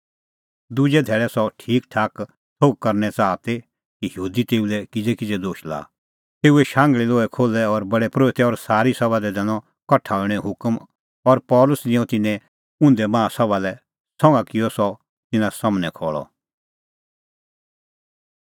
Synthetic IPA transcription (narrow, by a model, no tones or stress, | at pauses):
d̪ʊd͡ʒɛd̪ʱɛːɭɛsɔʈʰiːkʈʰaːk | sʰoɡ̚kɐɾnɛt͡saːt̪e | kijəuːd̪it̪eːulɛkɪd͡zɛkɪd͡zɛd̪oːʃla̰ː | t̪eːuɛʃãːŋɡɭiloːɛkʰoːlɛɔɾbɐɽɛpɾoːɪt̪ɛɔɾsaːɾisɐbad̪ɛd̪ɛnɔ̃ | kɐʈʰaːlɽ̃ɛ̃ɦʊkm | ɔɾpɔːlʊsd͡ʒɪ̃ɔ̃t̪ɪnɛ̃ | ʊ̃nd̪ɛmãːsɐbalɛ | sɔ̃ŋɡakɪɔsɔ | t̪ɪnãsɐmnɛkʰɔːɭɔ̰